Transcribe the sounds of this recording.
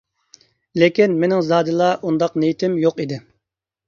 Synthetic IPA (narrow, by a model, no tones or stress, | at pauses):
lekʲinmenɪŋzɑːd̪ɨlˠɑʔund̪ɑqnejt̪ʰɪmjoqid̪ɪ